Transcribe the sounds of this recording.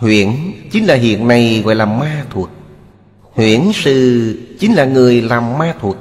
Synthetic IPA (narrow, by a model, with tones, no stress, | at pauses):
hwḭ˧˨ənt͡ɕi˨˦n̟laː˨˩ɦḭ˧˨ənːa˨˩jɣɔ̰˧˨jlaː˨˩maː˧t̪ʰu˨˩ək̚ | hwḭ˧˨ənsɨ̰˧˨t͡ɕi˨˦nlaː˨˩ŋɨ˨˩əjlaː˨˩mːaː˧t̪ʰu˨˩ək̚